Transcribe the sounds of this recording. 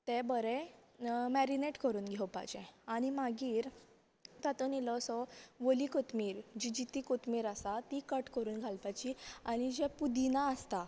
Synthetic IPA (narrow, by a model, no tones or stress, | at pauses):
t̪ɛ̃bəɾɛ | mɛɾineʈkəɾuːnɡʱɛwpa̰d͡ʑɛ̃aɽ̃imaɡiːɾ | t̪at̪onilɔsɔʋolikot̪miːɾd͡ʑid͡ʑit̪iːkot̪miːɾasat̪ikəʈkəɾuːnɡʱalpajt͡ɕiaɽ̃id͡ʑɛpud̪inaəst̪a